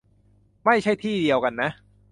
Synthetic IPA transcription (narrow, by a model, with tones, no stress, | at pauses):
ma˥˩jt͡ɕʰa˥˩jt̪ʰiː˥˩di˧əwka˧nːa˦˥ʔ